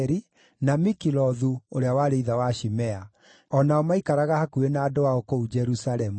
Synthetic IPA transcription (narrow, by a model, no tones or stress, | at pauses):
ɾi | namikilɔðuoɾeawaɾeiðawaʃimɛa | ɔnaɔmaikaɾaɣahakuenaːdowaɔkoud͡ʒɛɾusalɛmu